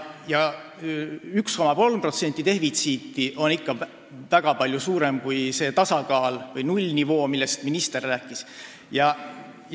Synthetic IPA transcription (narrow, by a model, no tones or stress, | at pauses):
jɑ | yksko̞mɑpo̞lmpro̞t̪se̞nʲt̪ːˑit̪e̞hvit̪siːt̪ːˑiʔo̞nikːɑ | væɡ̥ɑpɑlʲjusuːɾemkujse̞ːt̪ɑsɑkɑːlvɤjnulʲnʲivo̞ːmilːe̞st̪minist̪erːæːkːˑis | jɑ